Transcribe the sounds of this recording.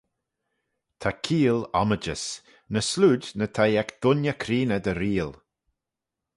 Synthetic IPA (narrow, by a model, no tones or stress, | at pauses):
t̪ʰakʰiːlɔməd͡ʒəs | nəsluːd̪nət̪ʰajɛkd̪̥ʊnjəkʰɾiːnəd̪əɾiːl